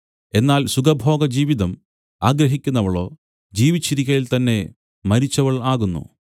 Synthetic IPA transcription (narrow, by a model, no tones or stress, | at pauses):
e̞nːaːlsuɡɐbʱo̞ːɡɐd͡ʑiːʋiðɐm | aːɡɾɐɦikʲːunːɐʋɐɭo̞̰ː | d͡ʑiːʋit͡ɕːiɾikʲːɐjilt̪ɐnːe̞ | mɐɾit͡ɕːɐʋɐɭaːɣunːṵ